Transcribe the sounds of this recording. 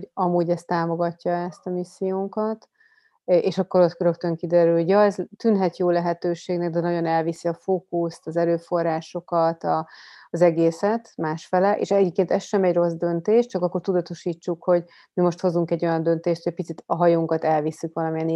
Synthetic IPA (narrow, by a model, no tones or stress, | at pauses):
ɟɒmuːɟɛst̪aːmo̞ɡɒcːɒɛst̪ɒmisːijoːŋkɒt̪ | eːʃɒkːo̞ɾo̞t̪køɾø̞kt̪ø̞ŋkid̪ɛɾylho̞ɟjɒɛzt̪ynɦɛt̪joːlɛɦɛt̪øːʃeːɡnɛɡ̚d̪ɛnɒɟo̞nɛlvisiɒfoːkust̪ɒzɛløːfo̞rːaːʃo̞kɒt̪ɒzɛɡeːsɛt̪maːʃfɛlɛʔḛːʃɛɟeːpkeːnt̪ɛsʃɛmɛɟro̞zd̪ønt̪eːʃtt͡ʃɒkɒkːort̪ud̪ɒt̪o̞ʃiːt͡ʃːukho̞ɟ | mimo̞ʃt̪ho̞zuŋkɛɟːo̞jɒnd̪ø̞nt̪eːʃt̪hoɛpit̪sit̪ɒɦɒjoːŋkɒt̪ɛlvisːykʋɒlɒmijɛn